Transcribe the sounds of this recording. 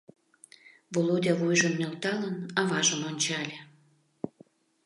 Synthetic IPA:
volod̪ʲɑβujʒəmːʲelt̪ɑlənɑβɑʒəmonʲt͡ɕɑlʲe

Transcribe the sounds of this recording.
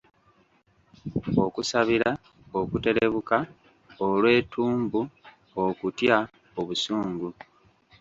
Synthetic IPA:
o̞kusaβiɾa | okute̞ɾ̞eβuka | olwe̞ːtʰuːmbu | okutja | oβusuːŋɡu

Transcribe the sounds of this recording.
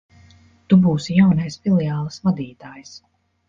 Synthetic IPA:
t̪ubuːsijawnajsfilɛaːlˠasvad̪iːt̪aːjs

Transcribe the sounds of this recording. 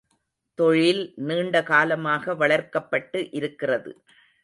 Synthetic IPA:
t̪ɔɻɪlniːɳɖɐkaːlɐmaːɣɐʋɐɭɐɾkɐpːɐʈːɯʔɪɾɯkːɪrɐðɯ̰

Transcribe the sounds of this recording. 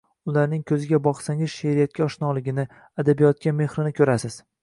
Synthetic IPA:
ʊlaɾnɪŋkʲʰɵzɪɡʲabɒqsaŋɪzʃeɾijat̪̚kʲaɒʃnɒlɪɡʲɪnɪ | ad̪abijɒt̪̚kʲame̞hɾɪnɪkʰʲɵɾasɪz̥

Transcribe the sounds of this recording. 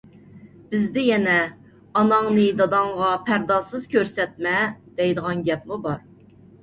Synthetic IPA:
b̥ɪzd̪ɪjɛnɛ | ɑnɑŋnɨd̪ɑd̪ɑɴʁɑpʰæɾd̪ɑsɨz̥kʲøɾsɛt̪̚mɛd̪̥ɛjd̪əʁɑnɡʲɛpmubɑɾ

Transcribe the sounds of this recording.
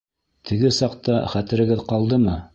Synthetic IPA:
t̪ʰɘ̆ɡɘsɑq̚t̪ɑχæt̪ɘ̆ɾɘ̆ɡɘðqɑlˠd̪ɤmɤ

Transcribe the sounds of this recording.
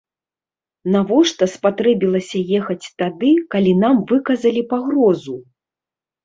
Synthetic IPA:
navɔʂt̪ɐspat̪ɾɛbʲilˠɐsʲɐjɛxɐt͡sʲt̪ad̪ɨkalʲinamvɨkɐzɐlʲipaɣɾɔzu

